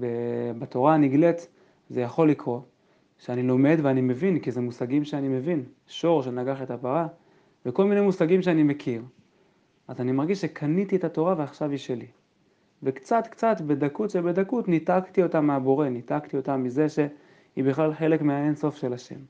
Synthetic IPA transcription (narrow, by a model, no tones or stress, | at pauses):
bebato̞ʁaniɡle̞t̪ | zejaχo̞lːikʁo̞ | ʃeanilo̞me̞d̪veanime̞vinkize̞musaɡimʃeanime̞vin | ʃo̞ʁʃe̞naɡaχe̞tapaʁa | veko̞lminemusaɡimʃ̬eanime̞kʰiʁ | ʔazanimaʁɡiʃʃekʰanit̪ietato̞ʁaveaχʃaviʃe̞li | vekt͡sat̪kt͡satbe̞dakutʃebe̞dakutnitaktio̞tamːeabo̞ʁe̞nitaktio̞tamːize̞ʃe̞ | ibiχlalħe̞le̞kmeaenso̞fʃe̞laʃe̞̰m